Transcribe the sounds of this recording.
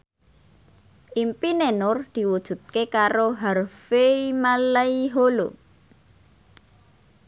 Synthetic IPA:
ʔimpinenʊrd̪̥i̤wud̥ʒ̥ṳt̪̚kekaɾoɦarfeimalaiɦolo

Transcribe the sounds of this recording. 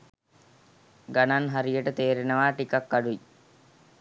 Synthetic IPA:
ɡananɦaɾijəʈət̪eːɾenəʋaːʈikɐkːaɖui

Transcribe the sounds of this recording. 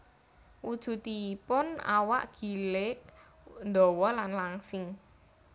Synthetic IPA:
ʔud̥ʒ̥ṳt̪ipʊna̰wa̰ʔɡ̥i̤lɪk | nd̪ɔ̤wɔlanlaŋsɪŋ

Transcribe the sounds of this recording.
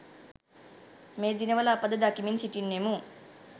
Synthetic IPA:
meːd̪inɐʋɐlaːpɐd̪ɐd̪aːkiminisiʈinːemu

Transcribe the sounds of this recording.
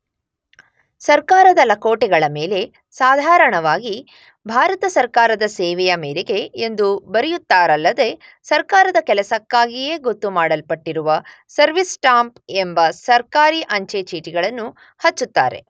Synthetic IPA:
sɐɾkaːɾɐd̪ɐlɐkoːʈɛɡɐɭɐme̞ːle̞ | saːd̪ʱaːɾɐɳɐʋaːɡi | bʱaːɾɐt̪ɐsɐɾkaːɾɐd̪ɐseːʋɛjɐmeːɾeɡe̞ːnd̪ubɐɾijut̪ːaːɾɐlːɐd̪e̞ | sɐɾkaːɾɐd̪ɐkɛlɐsɐkːaːɡijeːɡot̪ːumaːɽɐlpɐʈːiɾuʋɐ | sɐɾʋisʈaːmpembɐsɐɾkaːɾiʔɐɲt͡ʃet͡ʃiːʈiɡɐɭɐnːu | hɐt͡ʃːut̪ːa̰ːɾe̞̰

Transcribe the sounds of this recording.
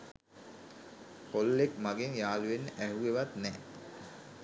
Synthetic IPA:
kolːekmaɡeŋjaːluʋenːəʔæɦuʋeʋat̪nɛː

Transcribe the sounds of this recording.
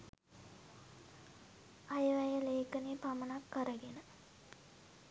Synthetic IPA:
ajəʋæjəleːkənepamənakːəɾəɡenə

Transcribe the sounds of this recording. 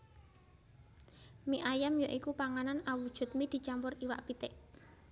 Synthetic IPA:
miʔajamjɔʔikupaŋananawud̥ʒ̥ṳt̪̚mid̪̥i̤t͡ʃampʊriwa̰ʔpit̪eʔ

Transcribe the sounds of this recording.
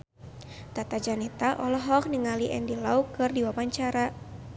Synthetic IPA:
t̪at̪ad͡ʒanɛt̪aʔɔlɔɦɔk̚niŋaliʔɛndilaukɨrdiwawaɲt͡ʃaɾa

